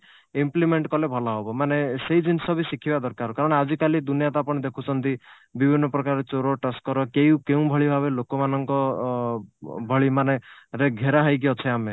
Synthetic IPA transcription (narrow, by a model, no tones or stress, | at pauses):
implimeɳʈkɔlebʱɔlaɦobɔmaneseid͡ʒinsɔbisikʰibad̪ɔɾkaɾɔkaɾɔɽ̃ad͡ʒikalid̪unijat̪apɔɽ̃ed̪ekʰut͡ʃʰɔnt̪i | bibʱinːɔpɾɔkaɾet͡ʃoɾoʈaskɔɾɔkejũkeũbʱɔɭibʱaβelokɔmanɔŋkɔ | bʱɔɭimaneɾeɡʱeɾaɦajk̬iɔt͡ʃʰeame